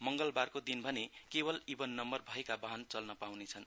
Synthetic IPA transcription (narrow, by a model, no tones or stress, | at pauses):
mʌŋɡʌlbarkod̪inbʱʌnekebʌlibʌnːʌmbʌrbʱʌekabaɦnt͡sʌlnʌpawnet͡sʰʌn